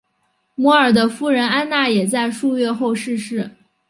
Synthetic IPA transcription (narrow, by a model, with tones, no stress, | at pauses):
mwɔ˧˥ə˞˨˩d̪ə˦fu˥˩ɻə˧˥na˥nna˥˩jɛ˨˩t͡sa˥˧ɪʂu˥˧ɥɛ˥˧xo˥˧ʊʂɻ̩˥˧ʂɻ̩˥˩